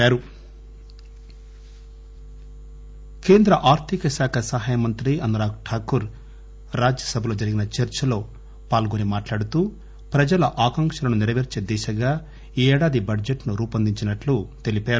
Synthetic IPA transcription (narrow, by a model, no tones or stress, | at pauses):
aːɾu | ke̞ːnd̪ɾɐʔaːɾt̪ʰikɐsaːkʰɐsɐɦaːjɐmɐnt̪ɾiɐnd̪ɾaːkʈʰaːkuɾ | ɾaːd͡ʒjɐsɐbʱɐlo̞ːd͡ʒɐɾiɡinɐt͡ʃɐɾt͡ʃɐlo̞ː | paːlɡonimaːʈlaːɽut̪uː | pɾɐd͡ʒɐlɐʔaːkɐŋkʃɐlɐnuniɾɐʋeɾt͡ʃe̞ːd̪ɛːʃɐɡaː | iɛːɽaːd̪ibɐɖd͡ʒeʈnuɾuːpɐnd̪iɲt͡ʃinɐʈlut̪e̞lipaːɾ